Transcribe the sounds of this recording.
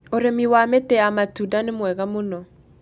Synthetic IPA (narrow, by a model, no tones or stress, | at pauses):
oɾemiwametɛamatudanemwɛɣamonɔ